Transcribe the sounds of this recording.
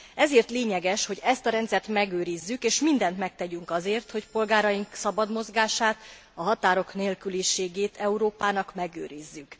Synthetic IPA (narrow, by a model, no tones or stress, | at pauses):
ɛzeːrt̪leːɲɛɡɛʃho̞ɟɛst̪ɒɾɛnt̪sɛrt̪mɛɡøːɾizːykeːʃmind̪ɛnt̪mɛk̚t̪ɛɟyŋkɒzeːrt̪ho̞cpo̞lɡaːɾɒjiŋksɒbɒd̪mo̞zɡaːʃaːt̪ | ɒɦɒt̪aːɾo̞kneːlkyliʃeːɡeːt̪ɛuɾoːpaːnɒkmɛɡø̰ːɾizːyk